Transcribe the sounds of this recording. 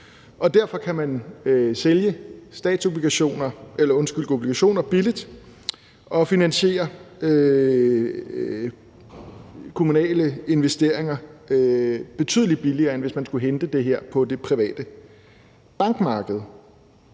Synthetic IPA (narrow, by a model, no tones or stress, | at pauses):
ʔɒ̽d̥æɐ̰fɒ̽kʰæmænseljəsd̥ɛ̰ːd̥so̝b̥liɡ̥æɕo̝̰ːnɐʔelɐɔ̽nsɡ̥yl̰d̥o̝b̥liɡ̥æɕo̝̰ːnɐb̥ilid̥ | ʔɒ̽finænɕe̝̰ːɐø | kʰo̝munɛ̰ːləe̝nʋesd̥e̝ɐ̰e̝ŋɐ | b̥e̝t͡sʰy̰ðˠlid̥̚b̥iliɐːenʋe̝smænsɡ̥uɦend̥əd̥e̝ɦeɐ̰pʰɒ̽d̥e̝pʰʁiʋɛ̰ːd̥ə | b̥ɑ̈ŋɡ̥mɑ̈ːɡ̥əð̞̩ˠ